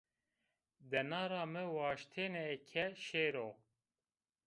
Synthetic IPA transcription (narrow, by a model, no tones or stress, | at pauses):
d̪ɛnɑːɾɑːmɨwɑːʃt̪ʰeːnɛɛkʰɛʃeːɾoː